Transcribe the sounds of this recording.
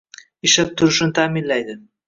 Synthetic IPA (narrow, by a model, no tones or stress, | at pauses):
ɪʃap̚t̪ʰʊɾɪʃnɪt̪ʰaːmɪnlajd̪ɪ